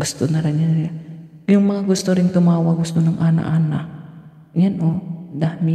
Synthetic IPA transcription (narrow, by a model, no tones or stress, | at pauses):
ɡust̪unaɾaɲania | jəŋmaaɡust̪uɾiŋt̪umawaɡust̪unaŋʔana̰ʔanaʔ | ɲənɔdahmi